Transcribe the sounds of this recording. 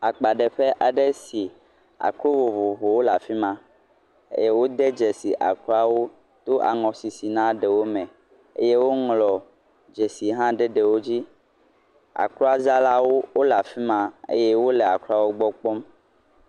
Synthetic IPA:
a˨k͡pa˨ɖɛ˨ɸe˦ʔa˨ɖe˦si˨ | a̰˨kɾo˦vo˨vo˨vo˨wo˦la˨fi˦mã˦ | ḛ˦je˦wo˦d̪e˦d͡ʒe˨si˨ʔa̰˨klo˦a˨wo˦ | t̪o˦ʔa̰˨ŋɔ̃˨si˨si˨nã˦ɖe˨wo˦mɛ̃˨ | ḛ˦je˦wo˦ŋlɔ˨ | d͡ʒe˨si˨ɦã˦ɖe˦ɖe˨wo˦d͡ʑi˦ | a̰˨ko˦a˦za˦la˦wo˦wo˦la˨fi˦mã˨ḛ˦je˦wo˦lɛ˨a˨klu˦a˨wo˦ɡ͡bɔ˦k͡pɔ˦m

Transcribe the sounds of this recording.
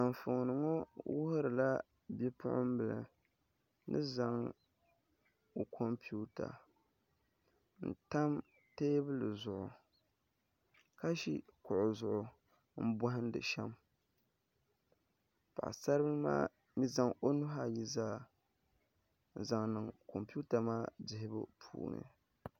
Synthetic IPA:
a˨mfʊ˨ŋ˨nɨ˨ŋo˦wʊ˦hʊ˦ɾɨ˨la˦ | bɛ˦pʰʊ̰˦ʔʊ̰˦m˦bɨ˨lɨ̰˨ | nɨ̰˦za˦ŋ | o˨kʰo˦mpju˦ta̰˨ | n̩˨ta˦m | teː˦bɨ˦lɨ˨zʊ˨ʔʊ˨ | ka˦ʃḭ˦kʊ˨ʔʊ˨zʊ˨ʔʊ˨ | m̩˦bʊ˦ɦɪ˦n˦dɨ̰˨ʃɛ˦m | pa̰˨ʔsa˦ɾɨ˦bɨ˦ma̰ː˦ | mi˦za˦ŋo˦nʊ˦ɦa˦˨ji˦zaː˦˨ | n̩˨za˨ŋnɨ˨ŋko˨mpi˦u˦ta˨maː˦dɪ˨ɦɪ˦bɨ̰˦pʰṵː˦˨nɨ̰˨

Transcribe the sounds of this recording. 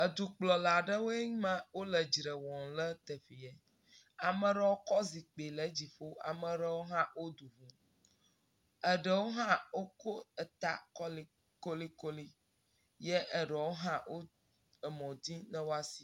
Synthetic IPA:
ə˨d̪u˨k͡plɔ˨la˨ɖə˦wo˦e˦mã˦wo˦lə˨d͡ʒɾə˨wɔ̃˨lə˦t̪ɛ˨fi˨jɛ˨ | a˨mə̃˦ɖə˦wo˦kɔ˦zi˨k͡pe˨lə˦d͡ʑi˨fo˦a̰˨mə̃˦ɖə˦wo˦ɦã˦wo˦d̪u˨vu˦ | ə˨ɖə˨wo˦ɦã˦wo˦ko˦ə˨t̪a̰˦kɔ˦li˦ | ko˦li˦ko˦li˦ | je˦ʔə˨ɖɛ˨wo˦ɦã˦wo˦ | ə˨mɔ̃˨d̪i˦nə̃˦wo˦a˦si̥˦

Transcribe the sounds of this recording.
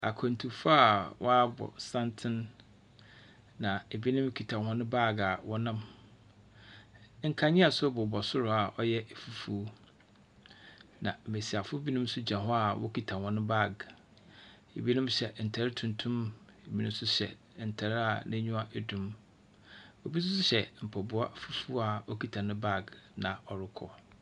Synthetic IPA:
a̰˨kʰɔ˨n̩˨tʰu˨fʊ˦a˨wʔɔ˦a˦bɔ̰˨sã˦ntʰɪ̃˦n | nã˨e˨bi˦nʊ̃˦m˦kʰi˨tʰã˨hɔ̃˦nʊ̃˦ba˦˨ɡa˨wɔ˦nã˦m | ŋ̩˨kʰa˦ɲĩ˦a˨sʊ˦bʊ˨bɔ˨sʊ˦ɾʊ˨a˨ʔɔ˦jɛ˦ʔfu˦fu˦ | nã̰˨m̩˨me˨si˨a˨fʊ˦bi˦nʊ̃˦m˦sʊ˦d͡ʑã˨ɦʊ˦a˨wʔɔ̰˦kʰi˨tʰa˨hɔ̃˨˦nʊ̃˦ba˦˨ɡ | ḛ˨bi˦nʊ̃˦mɕɛ˨n̩˨tʰa˨ɾɪ˦tʰũ˨n˨tʰũ˦me˨bi˦nũ˦m˦sʊ˦ɕɛ̰˨ | n̩˨tʰa˨ɾa˨nɪ̃˦ɲũ˦a˦ʔæ˨dũ˨m | o˨bi˦s̬ʊ˦sʊ˦ɕɛ˨m̩˨pʰɔ˨bʊ˦a̰˦˨fu˦fu˦a˨ɔ˦kʰi˨tʰa˨nʊ̃˦ba˦˨ɡnã˨ɔ˨ɾɪ˦kʰɔ̰˦

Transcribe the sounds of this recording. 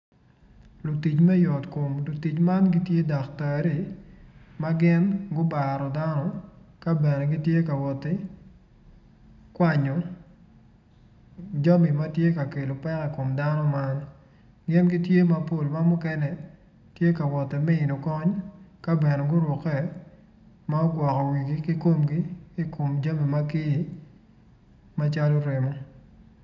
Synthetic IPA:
lu˨ti˨t͡ʃmɛ˦jɔ˨tko˨mlu˨ti˨t͡ʃma˦nɡi˦tje˦da˨ktɛ˨ɾi˨ | ma˦ɡɪ˦nɡʊ˦ba˨ɾɔ˨da˦nɔ˦ka˦bɛ˨ne˨ɡi˦tje˦ka˨wɔ˨tɪ˦ | kwa˦˨ɲɔ˨ | d͡ʒɔ˦mi˨ma˦tje˦ka˨ke˨lo˨pɛ˦kɛ˨ko˨mda˦nɔ˦ma˦n | ɡɪ˦mɡi˦tje˦ma˨po˦lma˦mʊ˦kɛ˦nɛ˨ | tje˦ka˨wɔ˨tɪ˨mɛ˦ɪ˨no˨kɔ˦ɲka˦bɛ˨nɛ˨ɡʊ˦ɾʊ˨kɛ˦ | ma˦ɔ˦ɡwɔ˨kɔ˨wi˨ɡi˦ki˦ko˦mɡi˦i˦ko˨md͡ʒa˦mi˨ma˦ki˦i˨ | ma˦t͡ʃa˦lo˦ɾe˨mɔ˦

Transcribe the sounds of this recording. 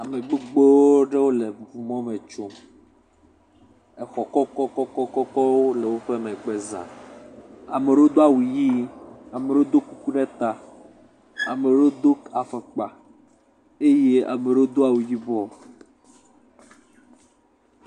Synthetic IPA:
a˨me˨ɡ͡be˦ɡ͡bo˦ɖe˦wo˦le˨vu˨mɔ̃˦mẽ˨t͡ʃo˦m | ɛ˨xɔ˨kɔ˦kɔ˦kɔ˦kɔ˦kɔ˦kɔ˦wo˦le˨wo˦ɸe˦mɛ̃˨ɡ͡be˦zã̰˨ | a˨me˨ɖo˦d̪o˦a˨wu˨ji˦a˨me˨ɖo˦d̪o˦ku˦ku˦ɖɛ˦t̪a˨ | a˨me˨ɖo˦d̪o˦ka˨fe˨k͡pa˨ | e˦je˦a̰˨me˨ɖo˦d̪o˦a˦˨wu˨ji˦bɔ˦

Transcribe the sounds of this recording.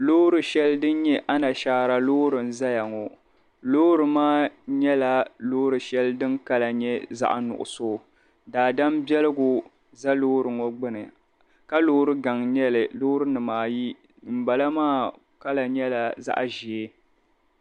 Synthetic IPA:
loː˦ɾɨ˨ʃɛ˦ldɨ˦n˦ɲɛ˦ʔa˦na˨ʃaː˦ɾa˨loː˦ɾɨ˨n̩˦za˦ja˨ŋɔ˨ | loː˦ɾɨ˨maː˦ɲɛ˦la˨loː˦ɾɨ˨ʃɛ˦ldɨ˦ŋka˦la˨ɲɛ˦za̰˦ʔnʊ̰˨ʔʊ̰˨soː˦˨ | daː˨da˦mbɛ˦lɨ˦ɡʊ˨ | za˦loː˦ɾɨ˨ŋɔ˦ɡ͡bɨ˦nɨ˨ | ka˦loː˦ɾɨ˦ɡa˨ŋɲɛ˦lɨ˨loː˦ɾɨ˦nɨ˨maː˦ji˦ | m̩˨ba˨la˦maː˦ | ka˦la˨ɲɛ˦la˨za̰˦ʔʒi˨e˦

